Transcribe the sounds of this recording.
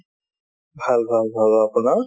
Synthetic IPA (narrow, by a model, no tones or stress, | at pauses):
bʱalbʱalbʱalapna